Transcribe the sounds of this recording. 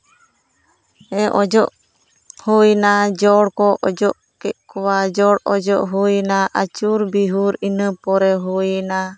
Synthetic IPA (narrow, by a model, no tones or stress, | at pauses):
ɛʔɔd͡ʒɔʔ | hujnad͡ʒɔɽkɔʔɔd͡ʒɔʔ | kɛʔkɔwad͡ʒɔɽɔd͡ʒɔʔɦujnaʔat͡ʃuɾbiɦuɾinəpɔɾɛɦujna